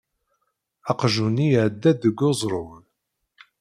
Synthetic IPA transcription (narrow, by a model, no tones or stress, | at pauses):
ɑqʒunijʕd̪ːæd̪əɡːozˤɾˤon